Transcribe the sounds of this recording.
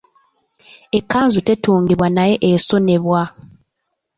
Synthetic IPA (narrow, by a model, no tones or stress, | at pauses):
ekʰːaːnzute̞tuːŋɡiβwanaje̞ʔeso̞ne̞βwa